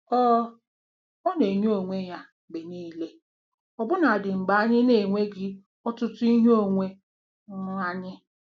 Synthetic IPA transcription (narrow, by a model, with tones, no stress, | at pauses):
ɔ˦ | ɔ˦ne˨ɲ˦o˨ŋʷe˦ja˦ | be˨niː˦le˦ | ɔ˨bʊ˦na˨dɪ˨ŋ͡m̩˨ɡ͡ba˨˦a˦ɲɪ˦ne˨ŋʷe˦ɡɪ˦ | ɔ˦tʊ˦tʊ˦i˦ɦo˦ŋʷe˦ | ŋ̩˦a˦ɲɪ˦